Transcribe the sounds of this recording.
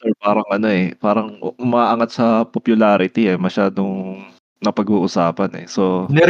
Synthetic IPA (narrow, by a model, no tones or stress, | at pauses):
sɛɹpaːɾɐŋʔɐno̞ʔɛpaːɾɐŋʊmaaʔɐŋat̪̚sɐpopjʊlaːɾɪt̪iɛmɐʃaːd̪oŋ | nɐpɐɡuːʔʊsaːpɐnɛ̰sonɛ